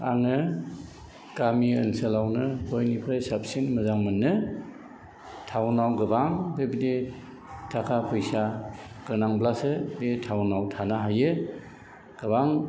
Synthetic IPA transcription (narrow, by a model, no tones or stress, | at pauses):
a̰ŋɯ | ɡ̥amiɯnsəlawnɯhʰojnipʰɾajsap̚sinmɯzaŋmɯnːɯ | tʰawnawɡɯbaŋbebide | tʰakʰapʰujsa | ɡ̥ɯɾnaŋblasɯbetʰawnawtʰanaɦajɯ | ɡ̥ɯbaŋ